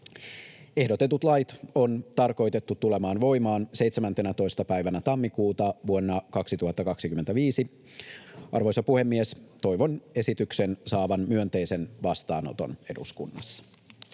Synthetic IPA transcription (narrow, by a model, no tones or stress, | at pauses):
e̞hdo̞t̪et̪ut̪lɑjt̪o̞nt̪ɑrko̞jt̪e̞t̪ːut̪ːulemɑːnʋo̞jmɑːnse̞jt̪semænt̪enæt̪o̞ist̪ɑpæjʋænæt̪ɑmːikuːt̪ɑʋuonːɑkɑksit̪uhɑt̪ːɑkɑksikyment̪æʋiːsi | ʔɑ̰rʋo̞jsɑpuhe̞mːiest̪o̞jʋo̞ne̞sit̪yksensɑːʋɑnmyønt̪e̞jsenʋɑst̪ɑːno̰t̪o̞̰ne̞dṵskunːɑ̰sːɑ̥